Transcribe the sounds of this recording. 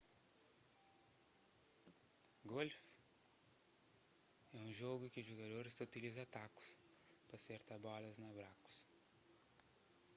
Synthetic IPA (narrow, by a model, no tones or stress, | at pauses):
ɡolf | ɛũʒoɡʊkɪʊʒoɡad̪oɾɪst̪aut̪ilizɐat̪akʊ̥s | pɾɐseɾt̪abɔlɐznabɾakʊ̥s